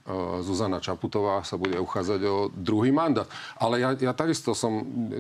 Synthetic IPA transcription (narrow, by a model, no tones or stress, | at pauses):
zuzanat͡ʃaput̪ɔʋaːsabuɟɛuxaːd͡zaɟɔd̪ɾuɦiːmand̪aːt̪ʔalɛjajat̪aɡist̪ɔsɔm